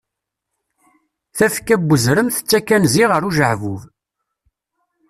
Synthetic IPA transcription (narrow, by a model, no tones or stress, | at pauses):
θæfkːæbːəzɾəmθə̥t͡sːækːænziʁəɾuʒəʕvuv